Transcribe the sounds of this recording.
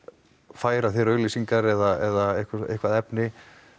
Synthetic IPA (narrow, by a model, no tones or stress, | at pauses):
faːjɾaθiɾœːɥlisiŋkaɾɛðaɛðaehkvaḛhkvaðɛpnɪ